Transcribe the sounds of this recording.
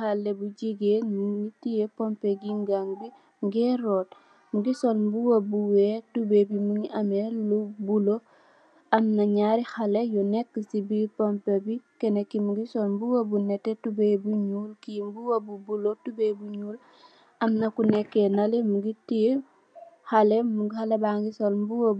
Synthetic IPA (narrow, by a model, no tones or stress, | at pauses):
halːebuɟiɡenmuɡitijepompeɡiŋɡaŋbi | ŋɡeːɾot̚ | muɡisolmbuwabuwetubebimuŋiamelubulo | amnaɲaɾixalejɔnekːəsibipɔmpebikɛnekimuɡisolmbuwabunɛtːetubebuɲuːlkimbuwabubulotubebuɲuːl | ɐmnɐkunɛkːenalemuɡiti | halemuŋɡihalebaŋɡisolmbuwo